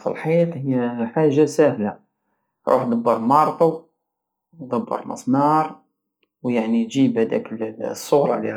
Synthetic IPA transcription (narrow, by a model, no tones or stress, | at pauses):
fḭlħit̪ˤhəjːæħaʒːasæhla | ɾʔṵħd̪ˤɑbːəɾˤmɑɾˤt̪ˤu | d̪ˤɑbːə̰ɾˤmə̰sˤnɑɾˤ | wjaʕnid͡ʒibhæd̪æ̰klsˤːʊɣɾˤɑli